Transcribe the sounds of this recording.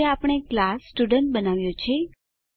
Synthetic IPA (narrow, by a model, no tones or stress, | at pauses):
eapəɳ̃eklasːʈuɖəɳʈ̚bənaʋjõt͡ʃʰe